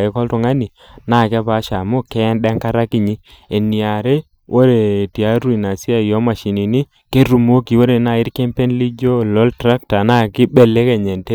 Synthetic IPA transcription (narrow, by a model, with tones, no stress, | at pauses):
e˨˦kɔ˦ltɔ˨ŋa˦ni˨ | na˦˨ka˦pa˦ʃa˨mo˦kɛ˦ndɛ˦ŋka˦ɾa˦ki˦˨ɲi˦e˨ni˨a˨ɾe˦ | wʔo˦ɾe˨ti˨a˦ɾu˦i˨na˨si˦a˦˨jo˦ma˨ʃi˨ni˨ni˦ | ke˦ɾu˨mo˦ki˨wo˦ɾe˨na˦˨i˦ɾke˦mpe˦nli˦d͡ʒo˦lɔ˦ltɾa˦k̚ta˨na˦ki˦be˨le˦ke˨ɲe˨nte˦